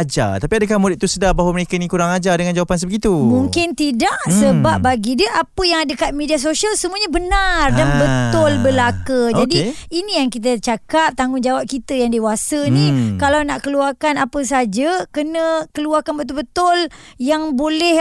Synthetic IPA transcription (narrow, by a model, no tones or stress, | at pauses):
ad͡ʒa̰t̪apiadəkahmuɾɪt̪̚usədahbaɦwaməɾekainikuɾaŋad͡ʒadəŋãnd͡ʒawapans̬əbəɡit̪umuŋkɪnt̪idaʔsəbap̚baɡidəʔapəjaŋadəkat̪̚medias̬osialsəmuaɲabənardanbəʊlbəlakəd͡ʒadiinĩjaŋkit̪̬ət͡ʃakap̚t̪aŋʊnd͡ʒawap̚kit̪əjaŋdewasənĩkalawnaʔkəluarkanapəs̬ad͡ʒakənə̃kəluarkanbət̪ʊlbət̪ʊl | jaŋbolɛh